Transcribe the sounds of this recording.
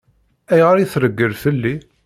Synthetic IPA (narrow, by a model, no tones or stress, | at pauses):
æjʁəɾiθɾəɡːəlfəlːi